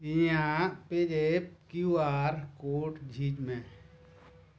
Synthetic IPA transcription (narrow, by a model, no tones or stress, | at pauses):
ĩjãped͡ʒepkjuaːɾkoːʈd͡ʒʱid͡ʒmẽ